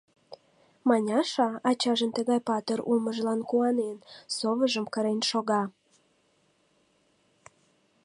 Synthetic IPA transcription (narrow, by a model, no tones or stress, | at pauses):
mɑnʲɑʃɑɑt͡ɕɑʒənt̪əɣɑjpɑt̪əɾulməʒlɑnkuɑnensoβəʒəmkəɾenʃoɣɑ